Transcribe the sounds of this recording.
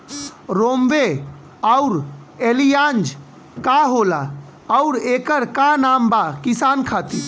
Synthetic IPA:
ɾomʋe | əuɾ | elijand͡ʒ | kaɦola | əuɾekəɾkanambakisaːnkʰat̪i

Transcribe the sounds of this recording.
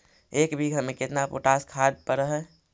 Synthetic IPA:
eːkbʱiɡʱəmẽkɪt̪napo̰ːʈaːskʰaːd̪̚pəɾəɦɛ

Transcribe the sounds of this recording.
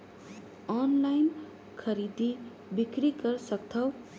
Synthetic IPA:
ɔnlajn | kʰʌɾid̪i | bikɾikʌɾsʌk̚t̪ʰʌw

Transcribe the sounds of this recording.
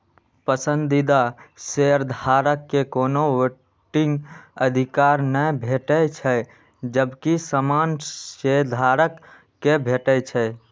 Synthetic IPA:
pəsənd̪id̪aseəɾd̪ʱaɾəkːekonowe | ʈĩŋɡəd̪ʱikaɾnəbʱeʈət͡ʃʰə | d͡ʒəbkisəmanseɾd̪ʱaɾəkː | ebʱeʈət͡ʃʰɛ

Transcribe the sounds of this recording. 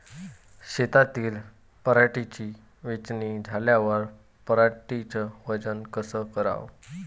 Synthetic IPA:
ɕet̪at̪iːl | pəɾaʈit͡ɕi | ʋit͡ɕnid͡zʱaljaʋəɾ | pəɾaʈit͡səʋəd͡zənkəsəkəɾa̰ʋ

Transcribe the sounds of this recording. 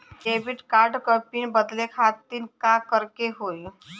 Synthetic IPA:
kebiʈkaɾɖkəpiːnbəd̪lekʰat̪iːnkakəɾkeɦoj

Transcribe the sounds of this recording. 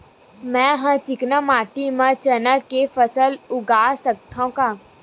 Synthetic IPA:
mɛ̃ɦãt͡ʃɪknamaːʈimãt͡ʃənəkefəsəlʊɡaːsək̚t̪ʰãkaː

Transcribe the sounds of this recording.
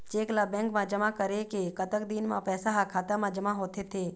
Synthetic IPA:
t͡ʃeːklabɛ̃ːŋkmãd͡ʒəmakəɾekekət̪ək̚d̪iːnmãpɛːsaɦakʰaːt̪amãd͡ʒəmaɦoːt̪ʰet̪ʰeː

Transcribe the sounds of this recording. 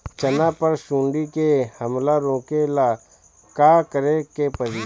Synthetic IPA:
t͡ʃɐnapəɾʃũːɳɖikehəmlaɾõːkela | kaːkəɾekepəɾi

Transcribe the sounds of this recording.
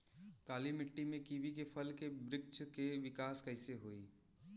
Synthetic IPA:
kaːlimɪʈːimẽkiʋik̬epʰəlkebɾɪk̚t͡ʃkeʋɪkaːskəɪseɦoːiː

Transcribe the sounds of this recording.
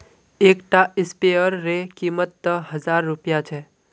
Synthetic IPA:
eːkʈaɪspeəɾːekiːmət̪ːəɦɐzaːɾːʊpijat͡ʃʰɛ

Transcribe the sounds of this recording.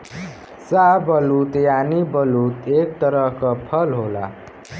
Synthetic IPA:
sabʌlut̪janibʌlut̪ek̚t̪ʌɾʌɦkʌpʰʌlɦola̰

